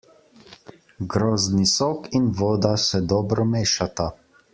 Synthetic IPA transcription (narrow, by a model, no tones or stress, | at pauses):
ɡɾoːznisoːkinʋoːd̪asɛd̪ɔːbɾɔmeːʃat̪a